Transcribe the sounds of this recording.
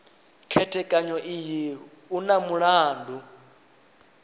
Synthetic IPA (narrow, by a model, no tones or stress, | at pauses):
kʰɛtʰʼɛkʼaɲɔʔiji | unamuɺaːndʱu